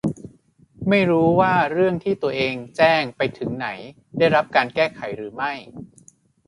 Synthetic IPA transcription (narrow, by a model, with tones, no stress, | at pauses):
ma˥˩jɾuː˦˥waː˥˩ɾɯ˥˩əŋt̪ʰiː˥˩t̪u˧ɐʔeː˧ŋt͡ɕɛː˥˩ŋpa˧jt̪ʰɯ˩˦ŋna˩˦j | daː˥˩jɾa˦˥p̚kaː˧nkɛː˥˩kʰa˩˦jɾɯː˩˦ma˥˩j